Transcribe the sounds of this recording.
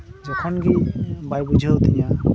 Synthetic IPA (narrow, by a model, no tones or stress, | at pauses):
d͡ʒɔkʰɔnkibajbud͡ʒʱɔɦot̪iɲã